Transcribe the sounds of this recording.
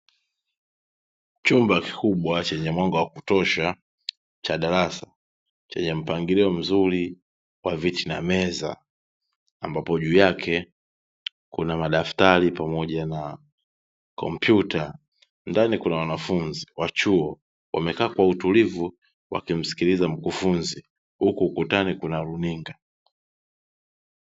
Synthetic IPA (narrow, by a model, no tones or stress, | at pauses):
t͡ʃumbaki̥kuɓwat͡ʃɛɲɛmwaŋɡawakutɔʃa | t͡ʃaɗaɾasa | t͡ʃɛ̰ɲɛm̩paŋɡiliɔm̩zuli | wavitinamɛza̰ː | mbapɔʄuːjakʰɛ | kunamaɗaftaɾipamɔʄana | kɔ̰m̩pjuta | ndanikunawanafunziwat͡ʃuɔ | wʔa̰mɛkaːkwautulivu | wa̰kim̩si̥kilizam̩kufunzi | hukuːkutanikunaɾuniŋɡa